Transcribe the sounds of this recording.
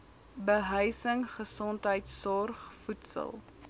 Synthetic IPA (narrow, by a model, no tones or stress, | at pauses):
bəɦœjsəŋχəsɔntɦəjtssɔrχfutsə̰lˠ